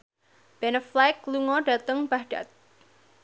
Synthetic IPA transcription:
b̥ɛnəflajkluŋɔɖa̤t̪əŋb̥ahɖ̥a̰t̪̚

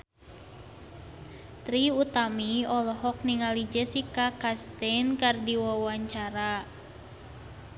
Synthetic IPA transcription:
t̪ɾiut̪amiɔlɔɦɔk̚niŋalid͡ʒɛsikakast̪ɛnkardiwawaɲt͡ʃaɾa

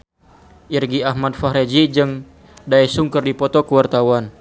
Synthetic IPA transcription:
ʔirɡiaɦmad̚faɦɾed͡ʒid͡ʒɨŋ | daɛsuŋkərdipɔt̪ɔkəwart̪awan

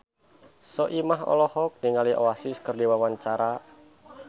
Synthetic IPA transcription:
sɔʔimaɦɔ̰lɔhɔk̚niŋaliʔoasɪskɨrdiwawaɲt͡ʃaɾa

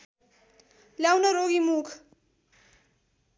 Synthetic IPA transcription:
ljawnʌɾoɡimukʰ

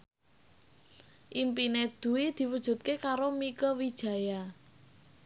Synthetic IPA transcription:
ʔimpined̪̥ṳwid̪̥i̤wud̥ʒ̥ṳt̪̚kekaɾomikəwid̥ʒ̥a̤ja

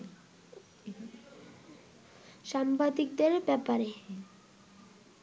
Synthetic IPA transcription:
ʃambad̪ik̚d̪eɾbɛpaɾe

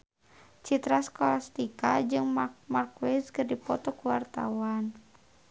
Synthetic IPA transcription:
t͡ʃit̪ɾaskɔlast̪ika̰d͡ʒɨŋmmarkwɛskɨrdipɔt̪ɔkuwart̪a̰wan

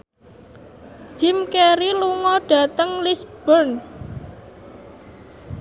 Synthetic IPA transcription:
d͡ʒ̥i̤mkeɾiluŋɔɖ̥ä̤t̪əŋlisb̥ɔrn

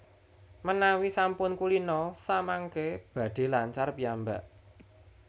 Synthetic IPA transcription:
mənawisampʊnkulinɔsamaŋkeb̥ä̤d̪̥e̤laɲt͡ʃarpiambaʔ

